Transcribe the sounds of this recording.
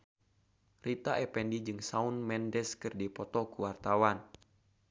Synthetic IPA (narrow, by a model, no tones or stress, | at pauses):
rit̪aʔɛpɛndid͡ʒɨŋsaunmɛndɛskɨrdipɔt̪ɔkuwart̪awan